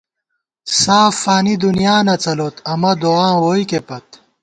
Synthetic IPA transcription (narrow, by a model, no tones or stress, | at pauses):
saːfaːnid̪unjaːnɐt͡sɐloːt̪ʰɐmɐd̪oãːwoːikepɐt̪̚